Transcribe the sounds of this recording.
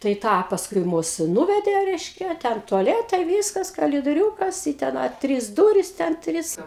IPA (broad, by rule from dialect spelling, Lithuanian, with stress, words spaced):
tɐɪ ˈtɑː pɐsˈkʊɪ ˈmʊs ˈnʊʋʲɛdʲeː ˈrʲɛɪʃʲkʲɛ ˈtʲɛn tʊɐˈlʲæːtɐɪ ˈʋʲiːskɐs kɐlʲɪdoːˈrʲuːkɐs ɪ tʲɛn ˈɐ ˈtʲrʲiːs ˈduːrʲɪs tʲɛn ˈtʲrʲɪs